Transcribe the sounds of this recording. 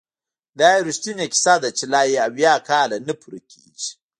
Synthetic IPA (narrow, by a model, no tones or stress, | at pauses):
dajɾustinekʲi̥sad̪at͡ʃilajiabakaːlɐnipʰuɾkʲḭt͡ʃ